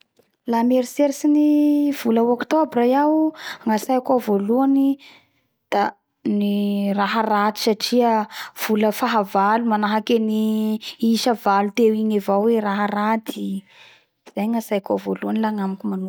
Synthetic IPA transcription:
lameɾseɾsiniv̥uləokt̪obɾajawŋasajakavoluani | d̪̥a | niraɦarad̪i̥saʈ͡ʂiəv̥uləfaɦavalumanaɦakeni | iʃəvalut̪ewiɲivawweraɦarad̪i | iz̥ajŋasajakavoluanilaŋamikʲumanu

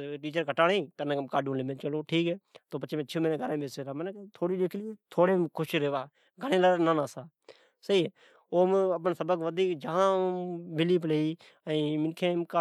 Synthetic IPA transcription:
ʈiːt͡ʃəɾkəʈaːɽeːt̪ənãːkəmkaːɖũləmẽːt͡ʃəloːʈʰiːkɦɛːt̪oːpət͡ʃːmẽːt͡ʃʰeːmːneːɡʱəɾãːbeːseɾaːmənːkt̪ʰoːɽiːd͡ʒeːkʰlit̪ʰoːɽeːkʰʊʃɾeːʋaː | ɡʱənẽːlaɾnãːnaːsaː | səiːeː | oːməp̬ənsəbəkʋəd̪ʱiːkd͡ʒəɦãːbɪliːp̬leiː | əĩːmɪnkʰẽːmka

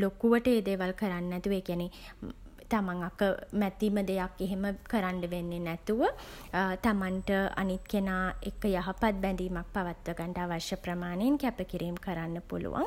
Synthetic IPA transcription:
lokuʋəʈəeːd̪eːʋalkəɾanːɛt̪uʋəeːkiæne | t̪amaŋakːəmɛt̪iːməd̪ejakːeɦeməkəɾaɳɖəʋenːenɛt̪uʋə | t̪amanʈəa̰nit̪kenaːḛkːəjaɦɐpat̪̚bɛnd̪iːmak̚paʋat̪ʋəɡaɳʈaːʋaʃjəpɾəmaːnejeŋkæpəkiɾiːmkəɾanːəpṵlṵʋa̰ŋ

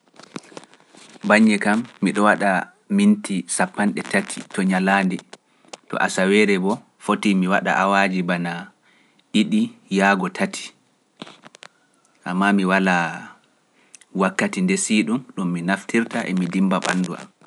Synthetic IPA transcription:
baɲːɛkamːiɗɔwaɗa | mintisapːanɗɛtatʰi̥tɔɲalandɛ | tɔ̰ʔasawɛːɾɛbɔ | fotimiwaɗa̰ʔawad͡ʒibana | ʔiɗijaːɡɔtʰatʰi̥ | ʔamːamiwala | wakːatindesiɗumɗumːinaftiɾtaʔɛ̰midimbaɓa̰nduʔa̰m

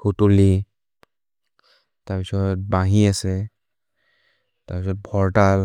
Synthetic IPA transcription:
kʰutuli | taɹpisɔt̚bãɦĩasɛ | taɹpisɔt̚bʱɔɹʈal

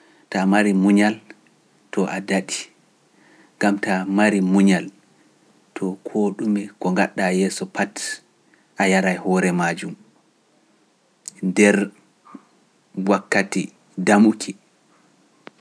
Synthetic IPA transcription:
tamaɾimuɲal | tʰɔʔadaɗi | ŋɡamtamaɾimuɲal | tʰɔkʰoːɗumɛkɔŋɡaɗːajɛːsɔpat | ʔajaɾajhɔːɾɛmad͡ʒum | dɛɾ | wakːati | damukʰi

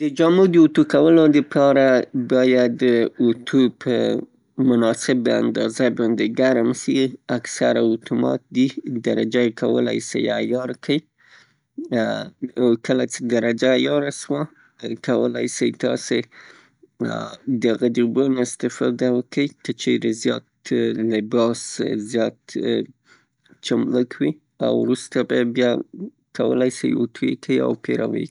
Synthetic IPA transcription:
d̪əd͡ʒamud̪əut̪ukawəlod̪əpʰɑɾabɑjad̪ːəut̪ʰupʰə̰ | mʊnɑsɪbəa̰nd̪ɑzabɑnd̪eɡaɾmsiaksaɾaʊt̪umɑ̰t̪̚d̪id̪aɾad͡ʒajekʰawə̰la̰jsa̰jajɑɾkʰəj | awkəlat͡ʃed̪aɾad͡ʒajɑɾaʃwa | kawəla̰jsəjt̪ɑ̰se | d̪əɣad̪ibunoɪst̪ɪfɑ̰d̪awəkəjkət͡ʃeɾezjɑ̰t̪lɪbɑszjɑt̪ | t͡ʃamləkʰwi | a̰wɾust̪ababjɑ | kʰawə̰lajsə̰jot̪ʰujḛkʰaia̰wpeɾa̰wə̰j

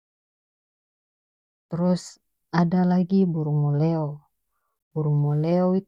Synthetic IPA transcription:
t̪ɾɔs | adalaɡibuɾumɔleo | buɾumoleoi

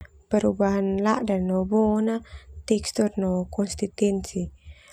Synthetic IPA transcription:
peɾubahnlaʔdanobonat̪ekst̪oɾnokonst̪it̪ensi

